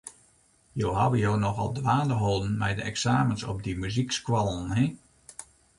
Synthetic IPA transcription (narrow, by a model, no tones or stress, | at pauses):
jowɦaʋəjoːnɔxɔ̰lˠdʋaːdəɦoːdən̩mɛ̰jdəɛksaːmənsɔ̰p̚dimyzikskwalˠənɦi